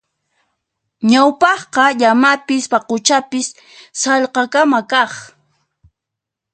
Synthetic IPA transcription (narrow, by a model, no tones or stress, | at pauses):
ɲawpɑχqɑʎamapɪspɑqʊt͡ʃapɪsː | ɑʎqɑkamakɑχ